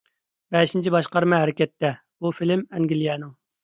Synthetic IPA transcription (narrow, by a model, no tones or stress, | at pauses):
bɛʃint͡ʃʰibɑʃqɑɾmɛɦæɾɪkʲɛt̪ʰːɛ | bufilɪmɛŋɡʲilijɛnɨŋ